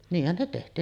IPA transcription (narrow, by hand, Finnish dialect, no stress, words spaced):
niːhːæn ne tehtˑiːn